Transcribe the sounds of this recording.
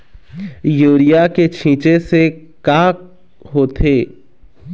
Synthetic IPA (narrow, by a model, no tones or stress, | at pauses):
juːɾɪjaket͡ʃʰĩːt͡ʃese | kaːk | ɦoːt̪ʰeː